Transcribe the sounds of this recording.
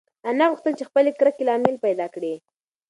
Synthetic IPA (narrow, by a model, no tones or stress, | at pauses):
anaɣʊxt̪əlt͡ʃexpəlekɾəkelɑmɪlpajd̪ɑkɽi